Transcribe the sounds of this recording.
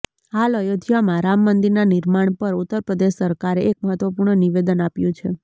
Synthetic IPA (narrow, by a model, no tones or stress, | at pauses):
haləjod̪ʱjamãɾamːənd̪iɾnaniɾmaɳpəɾut̪ːəɾpɾəd̪eʃsəɾkaɾeʔek̚məɦət̪ʋəpuɾɳəniʋed̪ənapjũt͡ʃʰe